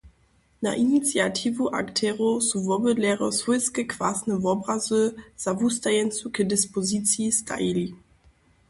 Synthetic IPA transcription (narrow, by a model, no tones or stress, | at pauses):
na̰ʔinit̪sjatʰivuʔa̰ktʰɛʁosuvɔbədlɛʁɔsvɔjskəkv̥asnɛvɔbʁazɨz̥avust̪ajɛnt̪sukɛdɪspɔzit̪sjist̪ʰa̰jilʲi